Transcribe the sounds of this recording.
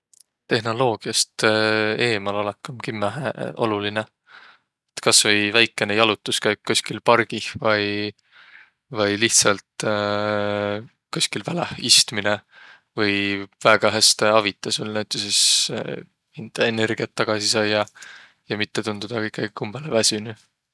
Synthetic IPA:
t̪e̞ɦno̞lo̞ːɡ̥iɑst̪e̞ːmɑlɑlekːˑɑmkimːæɦḛʔo̞̰luline | et̪kɑsvɤjvæjkːˑe̞nejɑlut̪ːˑuskɑjkkːusʲkilpɑrɡ̥ivɑj | vɑjliht̪sɑlt̪ | kusʲkilvælɑhist̪mine | vɯjvæɡ̥ɑɦæst̪eɑvit̪ːˑɑsolnæɥt̪ːˑeses | int̪ɑene̞rɡ̥iɑt̪ːɑɡ̥ɑsisɑjːɑ | jɑmit̪ːe̞t̪und̪̥ud̪̥ɑikːˑɑɡ̥ikumb̥elevæsyny

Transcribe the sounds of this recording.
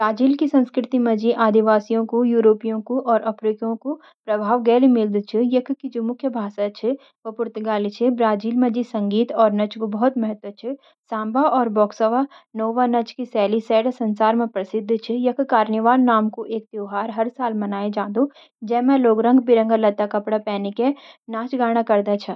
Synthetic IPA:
bɾaːd͡ʒiːlkisɐ̃nskɾɪt̪imɐ̃d͡ʒiʔaːd̪iʋaːsijõkojuːɾoːpijõkoʔɔːɾʔɐfɾikjõko | pɾɐbʱaːʋɡɛːlemɪld̪t͡ʃʰɪjɐkʰkid͡ʒoːmʊkʰjəbʱaːsat͡ʃʰɪ | ʋɐpʊɾt̪ʊɡaːlit͡ʃʰibɾaːd͡ʒiːlmɐ̃d͡ʒisɐ̃ŋɡiːt̪ɔːɾnɐt͡ʃkobɐɦʊt̪mɐɦət̪ʋət͡ʃʰɪ | sãːmbʱaʔɔːɾbɔːksəʋanoːʋanɐt͡ʃkisɛːlisɛːɽsɐ̃nsaːɾmẽpɾɐsɪd̪ʱːt͡ʃʰijɐkʰkaːɾnəʋaːɾnaːmkoʔeːk̚t̪oːɦaːɾɦɐɾsaːlmɐnaːed͡ʒãːd̪o | d͡ʒɛːmɛ̃loːɡɾɐ̃ŋɡbɪɾə̃ŋɡalɐt̪ːakɐpɽapɛːnekenaːt͡ʃɡaːɽ̃akɐɾd̪at͡ʃʰɐ

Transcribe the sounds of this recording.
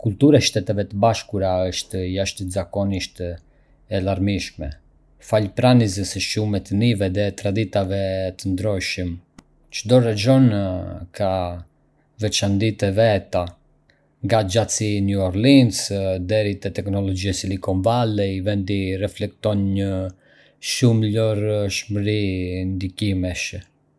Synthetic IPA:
kult̪uɾaʃt̪ɛt̪ɛvɛt̪əbaʃkuɾaəʃt̪jaʃt̪ət̪zakɔniʃt̪ | ɛlaɾmiʃmɛ | falpɾanizəsəʃumɛt̪ənivɛðɛt̪ɾad̪it̪avɛt̪ənd̪ɾɔʃəm | t͡ʃəd̪ɔrɛd͡ʒɔnkʰa | vɛt͡ʃand̪it̪ɛvɛt̪a | ŋɡad͡ʒat͡sinuɔɾlinsd̪ɛɾit̪ɛt̪ɛknɔlɔd͡ʒiɛsilikɔnvalɛvɛnd̪irɛflɛk̚t̪ɔnɲə | ʃumlɔɾʃməɾind̪ikimɛʃ

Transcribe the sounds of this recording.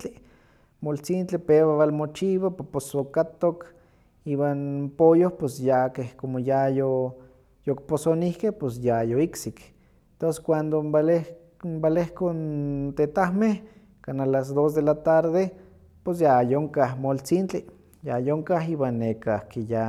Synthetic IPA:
t͡ɬi | molt͡sint͡ɬipeβaβalmot͡ʃiβaposokat̪ok | iwanpojohposjakehkomojajo | jok̚posonihkehpos̬jajoiksik | ent̪onse̥kʷand̪ombale | mbalehkont̪et̪ahmeh | kanalas̬d̪os̬d̪elat̪aɾðe | pos̬jajoŋkahmolt͡sint͡ɬi | jajoŋkaɦiwanːekakeja

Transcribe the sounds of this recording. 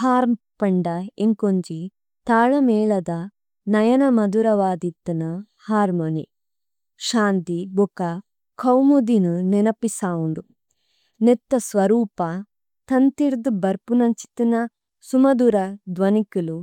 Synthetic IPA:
haːɾm | pɐɳɖɐeŋkoɲd͡ʒi | t̪aːɭɐmɛːɭɐd̪ɐ | nɐjɐnɐmɐd̪uɾɐʋaːd̪it̪ːɐnɐ | haːɾmonḭ | ʃaːnt̪ibukɐ | kʰɐwmud̪inunenɐpisaːwuɳɖu | net̪ːɐsʋɐɾuːpɐ | t̪ɐnt̪iɾd̪ubɐɾpunɐɲt͡ʃi̥t̪inɐ | sumɐd̪uɾɐd̪ʋɐnikulu

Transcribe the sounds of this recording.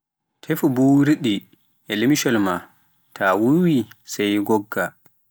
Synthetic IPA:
tʰefubuɾiɗi | ʔɛlimiʃɔlma | tʰawuwisajɡɔɡːa

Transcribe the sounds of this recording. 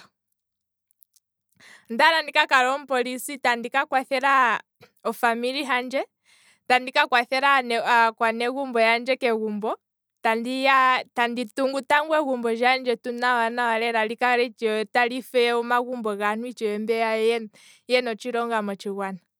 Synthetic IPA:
ndaɾandikakaɾɔm̩pɔlisitandikakwaθɛɾa | ɔfamiɾiɦand͡ʒɛ | tandikakwaθɛɾankwanɛɣumbɔjand͡ʒɛkɛɣumbɔ | tandijatandituŋɡutaŋɡwɛɣumbɔʒand͡ʒɛtunawanawalɛɾalikaɾɛt͡ʃtalifɛɔmaɣumbɔɣanwit͡ʃɛɛmbɛajɛ | jɛnɔt͡ʃiɾɔŋɡamɔt͡ʃiɣwana

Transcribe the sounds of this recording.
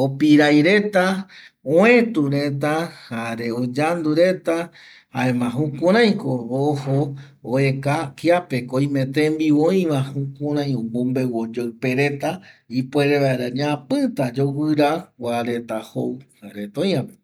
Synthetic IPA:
opiɾajɾe̞t̪a | õẽt̪uɾe̞t̪̬ahaɾe̞od͡ʒand̪uɾe̞t̪a | ha̰emãɦũkuɾ̃ãj̃koβoho | oekakiape̞koj̃mẽ̞t̪ẽmbiõj̃ʋãhũkũɾãj̃õmõmbewod͡ʒawpe̞ɾe̞t̪aipʷeɾeβaeɾaɲãpɨt̪ad͡ʒowɨɾawaɾe̞t̪ahowhaɾet̪õjãpe

